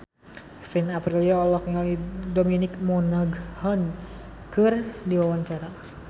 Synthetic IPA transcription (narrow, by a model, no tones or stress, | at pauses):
sinapɾiliaɔlɔkŋalidominɪkmɔnaɡhɔn | kɨrdiwawaɲt͡ʃaɾa